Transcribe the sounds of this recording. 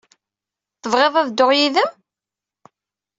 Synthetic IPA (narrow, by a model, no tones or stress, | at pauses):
θəvʁeðˤæðd̪oʁjiðæ